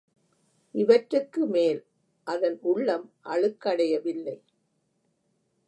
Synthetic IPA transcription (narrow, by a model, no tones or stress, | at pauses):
ʔɪʋɐʈrɯkːɯmeːl | ʔɐðɐnʊɭːɐmʔɐɻɯkːɐɽɐjɐʋɪlːɐɪ